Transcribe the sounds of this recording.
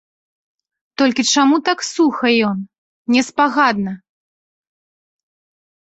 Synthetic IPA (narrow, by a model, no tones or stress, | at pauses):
t̪ɔlʲkʲit͡ʂamut̪aksuxɐjɔn | nʲɛspaɣad̪nɐ